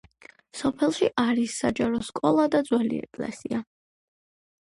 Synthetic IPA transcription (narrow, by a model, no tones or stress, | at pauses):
sɔpʰɛlˠʃiʔaɾisːad͡ʒaɾɔskʼɔlˠad̪ad̪zwɛlḭɛ̰kʼlɛ̰sia